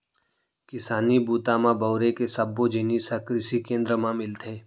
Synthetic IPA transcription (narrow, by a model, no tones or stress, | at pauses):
kɪsaːnibuːt̪amãbɐʊɾekesɐbːod͡ʒɪnisɐkɾɪsikẽːnd̪ɾəmãmɪlt̪ʰeː